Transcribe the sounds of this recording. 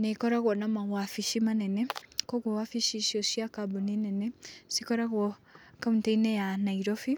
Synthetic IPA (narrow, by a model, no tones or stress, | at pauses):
nɛkɔɾaɣwɔnamaɣwafiʃimanɛnɛkɔɣwɔwafiʃiʃiɔʃiakabuninɛnɛsikɔɾaɣwɔkamunteinɛjanaiɾɔfi